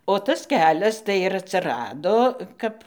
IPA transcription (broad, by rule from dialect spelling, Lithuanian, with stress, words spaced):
oː ˈtɐs ˈkʲæːlʲɛs tɐɪ ɪr ɐtʲsʲɪˈrɑːdoː ˈkɐp